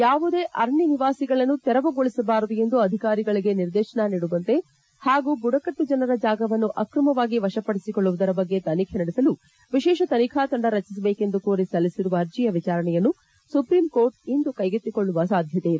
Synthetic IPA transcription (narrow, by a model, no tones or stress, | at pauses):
jaːʋud̪e̞ːʔɐɾɐɳjiniʋaːsiɡɐɭɐnːut̪ɛɾɐʋɐɡoɭisɐbaːɾd̪uje̞nd̪uɐd̪ʱikaːɾiɡɐɭiɡe̞niɾd̪eːʃɐɳaniːɽuʋɐnt̪e̞ | haːɡuːbuɽɐkɐʈːud͡ʒɐnɐɾɐd͡ʒaːɡɐʋɐnːuʔɐkɾɐmɐʋaːɡiʋɐʃɐpɐɽisikoɭːuʋud̪ɐɾɐbɐɡːe̞t̪ɐnikʰenɐɽɛsɐlu | ʋiʃɛːʃɐt̪ɐnikʰaːt̪ɐɳɖɐɾɐt͡ʃis̬ɐbeːke̞nd̪ukoːɾisɐlisiɾuʋɐɐɾd͡ʒijɐʋit͡ʃaːɾɐɳɛjɐnːu | supɾiːmko̞ːɾʈ̚ind̪ukɐjɡet̪ːikoɭːuʋɐsaːd̪ʱjɐt̪eid̪e